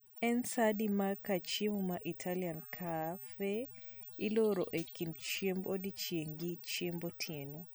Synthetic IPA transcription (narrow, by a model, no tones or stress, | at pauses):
ɛnsadimakat͡ʃemɔmaʔitʰaliankʰafɛ | ilɔɾɔ̰ʔekindt͡ʃiembodit͡ʃieŋɡit͡ʃiembɔtʰienɔ